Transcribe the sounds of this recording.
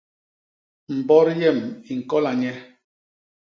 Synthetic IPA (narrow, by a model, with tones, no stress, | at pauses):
m̩˨bɔ˦ɾjɛ˦˨mi˨ŋ̩˨kɔ˦la˨ɲɛ˦